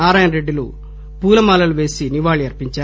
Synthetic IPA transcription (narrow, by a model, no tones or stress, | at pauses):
aːɾaːjɐnɾeɖːilṵ | puːlɐmaːlɐluʋe̞ːsiniʋaːɭiɐɾpiɲt͡ʃaː